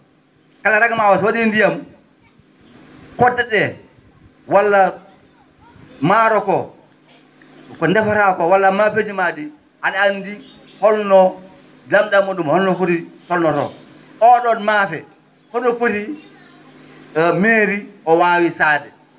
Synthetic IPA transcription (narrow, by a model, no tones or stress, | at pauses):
kalaɾaɡamawaswadindijam | kɔdːɛdɛ | walːa | maɾɔkɔ | kɔndɛfaɾakɔwalːamafed͡ʒimadi | anandi | hɔlnɔ | damdamɔɗumhɔlnɔfoɾitɔlnɔɾɔ̰ | ʔɔɗɔnmafɛ | hɔnɔfoti | meːɾiɔwawisaːdɛ